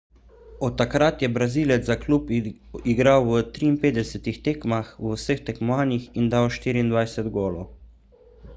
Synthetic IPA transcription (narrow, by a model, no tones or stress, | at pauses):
ɔt̪ːakɾat̪jɛbɾaziːlɛzaklupiɡɾawət̪ɾiːnpeːd̪d̪ɛsɛt̪ixt̪eːkmaxwəwsəxt̪ɛkmɔaːnjixind̪awʃt̪iːɾiːnd̪vʋajsɛd̪ɡoːlɔ